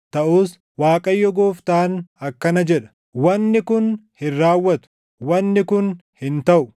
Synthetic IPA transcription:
t̪ɐʔuːs | waːkʼɐjːɔɡoːft̪aːnɐkːɐnɐd͡ʒɛᶑɐ̥ | wɐnːɪkʊnhɪrːaːwːɐt̪ʊ̥ | wɐnːɪkʊnhɪnt̪ɐʔʊ

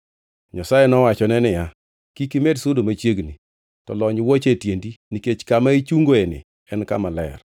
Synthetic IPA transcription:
ɲasajenɔwat͡ʃɔnɛnɪja | kikimedsʊdomat͡ʃjeɡni | tɔlɔɲwot͡ʃetjendiniket͡ʃkamait͡ʃuŋɡoenɪ̰ | ɛnka̰malɛ̰r

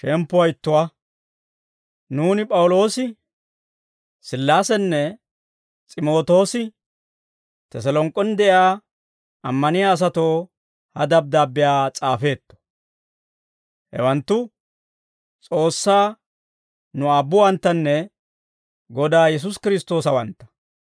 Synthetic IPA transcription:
ʃɛmpːʊwɐjɪt̪ːʊwa | nuːnɪpʼɐwʊlo̞ːsɪ | sɪlːaːsɛnːɛ | t͡sʼɪmo̞ːt̪o̞ːsɪ | t̪ɛs̬ɐlɔŋkʼːɔnd̪ɛʔjaː | ɐmːɐnɪjaːs̬ɐt̪o̞ː | hɐd̪ɐb̚d̪aːbːɪjaːt͡sʼaːfe̞ːt̪ːɔ̥ | hɛ̰wɐnt̪ːʊ | t͡sʼo̞ːsːaː | nʊaːbːʊwɐnt̪ːɐnːɛ | ɡɔd̪aːjɛs̬ʊskɪɾɪst̪o̞ːsɐwɐnt̪ːɐ̥

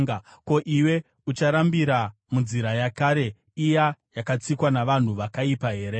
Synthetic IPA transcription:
ko̞ʔiwe̞ | ut͡ʃaɾambiɾa | munziɾajakaːɾe̞ | ijajakat͡sikwanaʋan̤uʋakaipaɦe̞ːɾe

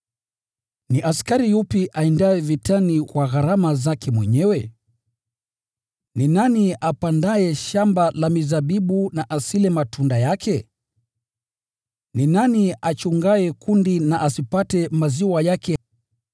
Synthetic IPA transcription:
niʔaskaɾijupiʔaɛndaɛvitanikwaɣaɾamazakʰɛmwɛɲɛwɛ | ninaniapandaɛʃambalamizaɓiɓunaʔasilɛmatʰundajakʰɛ | ninaniat͡ʃuŋɡaɛkundinaʔasipatɛmaziwajakɛ

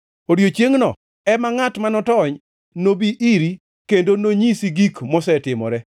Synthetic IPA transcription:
odjot͡ʃjeŋnɔ̰ | ɛmaŋatmanɔtɔɲ | nobiʔiɾi | kendonoɲisiɡikmɔsɛtɪmɔ̰ɾɛ

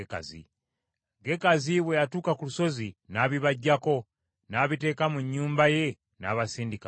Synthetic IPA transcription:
ka̰zḭ | ɡe̞kaziβwejatuːkakuluso̞zinaːβiβaɟːako̞ | naːβite̞ːkamuɲːuːmbaje̞ | naːβasiːndika

